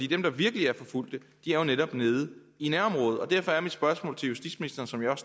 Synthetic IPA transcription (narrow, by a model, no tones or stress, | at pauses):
dḭːd̥emd̥ɑ̈ʋiɐɡ̥əliæɐfɒ̽ful̰d̥ə | d̥iæɐjo̝neɾ̥ɒ̽b̥ne̝ːð̞ˠə | inæɐ̰ɒ̽mʁɔ̽ːð̞̩ˠɒ̽d̥æɐfɒ̽æɐmid̥sb̥ɶɐsmɔ̰lt͡sʰe̝ljusd̥ḭd̥sminisd̥ɐːnsɒ̽mjɑɒ̽s